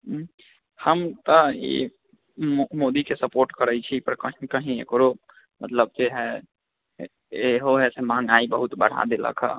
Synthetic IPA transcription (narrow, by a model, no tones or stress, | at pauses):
həmt̪əḭ | mod̪ikesəpoːɾʈkəɾəit͡ʃʰipəɾkəɦĩkəɦĩḛkɾo | mət̪ləb̚d͡ʒeɦɛ | eɦoɦɛsemãŋaibəɦut̪bəɽ̤a̰d̪elə̰kʰa̰